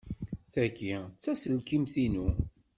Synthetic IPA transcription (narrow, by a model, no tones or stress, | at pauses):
θækːit͡sːæsəlkimθinu